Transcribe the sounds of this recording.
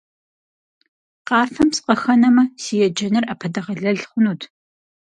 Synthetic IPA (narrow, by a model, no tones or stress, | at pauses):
qɑːfɐmsqɐxɐnɐmɐsijɛd͡ʒɐnɨrɐpʰɐdɐʁɐɮɐɮχʷʊnuːtʰ